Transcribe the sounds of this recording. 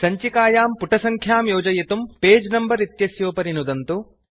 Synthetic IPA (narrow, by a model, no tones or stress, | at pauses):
sɐɲt͡ʃikaːjaːmpuʈʰɐsɐŋkʰjaːmjoːd͡ʒɐjɐt̪umpeːd͡ʒnɐmbɐɾit̪jɐsjoːpɐɾinud̪ɐnt̪u